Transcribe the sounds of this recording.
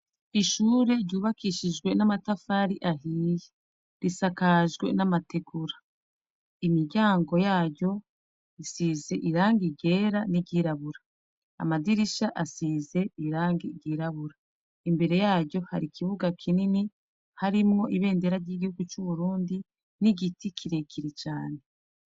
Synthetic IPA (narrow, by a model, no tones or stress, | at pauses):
iʃuːɾe̞ɾɟuːβakʰiʃid͡ʒɡwe̞namatafaɾiʔaɦiːje | ɾisakaʒɡwe̞̰namatʰe̞ɡuɾa | imiɟaːŋɡo̞jaːɟɟo̞ | isiːze̞ʔiɾaːŋɡiɟe̞ːɾaniɟiːɾaβuɾa̰ː | madiɾiʃaʔasiːze̞iɾaːŋɡiɟiːɾaβuɾa | imbe̞ɾe̞jaːɟo̞ha̰ɾikʰiβuɡakʰinini | haɾimŋo̞ʔiβe̞ːnde̞ɾaɾɟiːɡihuɡut͡ʃuβuɾuːndi | niɡitikʰiɾe̞kʰiɾet͡ʃaːne